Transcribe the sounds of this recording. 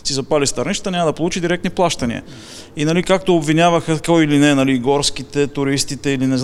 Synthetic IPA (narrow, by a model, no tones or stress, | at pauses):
sizɐpalist̪ɐɾniʃt̪t̪ənʲaməd̪ɐpolˠut͡ʃid̪iɾɛk̚t̪niplˠaʃt̪ɐnḭə̰ | inɐlikak̚t̪oobvinʲavəxəkoilinɛnɐliɡɔɾskit̪ɛt̪ʊɾist̪it̪ɛilinɛz